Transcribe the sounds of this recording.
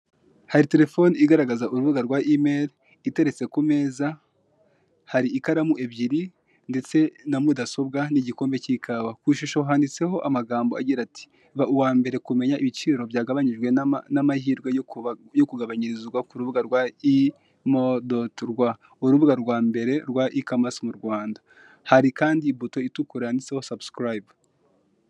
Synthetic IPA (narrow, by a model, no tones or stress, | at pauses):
haɾite̞ɾe̞fo̞niiɡaɾaɡazauɾuβuɡaɾɡwaʔimeɾ | ite̞ɾe̞t͡se̞kume̞ːza | haɾiːkaɾamuʔe̞bɟiɾi | nde̞t͡se̞namudaso̞bɡaniɟiko̞ːmbe̞cikʰawakwiʃuʃo̞ɦaːndit͡se̞ho̞ʔamaɡaːmboa̰ɟiɾatʰi̥ | βauwaːmbe̞ɾe̞kume̞ɲaʔiβit͡ʃiːɾo̞bjaːɡaβaɲiʒɡwe̞namahiːɾɡwejjo̞kuɡaβaɲiɾizɡwakuɾuβuɡaɾɡwai | modotɾɡwa | uɾuβuɡaɾɡwaːmbe̞ɾe̞ɾɡwaʔikamasmuɾɡwaːnda | haɾikaːndiːbuto̞itukuɾaniseho̞sabskɾab